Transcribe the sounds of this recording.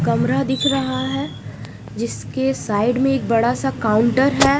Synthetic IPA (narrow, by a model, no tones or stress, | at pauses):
kɐmɾad̪ɪkʰɾɐɦaɦɛː | d͡ʒɪskesaːɪɖmẽeːk̚bɐɽasakaʊ̃ɳʈəɾɦɛː